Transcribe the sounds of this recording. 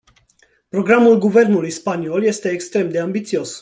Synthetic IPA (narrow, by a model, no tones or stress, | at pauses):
pɾo̞ɡɾamulɡuve̞rnulujspanio̞lje̞st̪e̞ːkst̪ɾe̞md̪e̞ambit̪sio̞s